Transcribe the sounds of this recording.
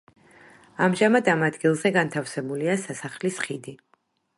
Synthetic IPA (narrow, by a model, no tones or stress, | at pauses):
amʒamad̪amad̪ɡilˠzɛɡant̪ʰafsɛbuliasasaχlisχid̪i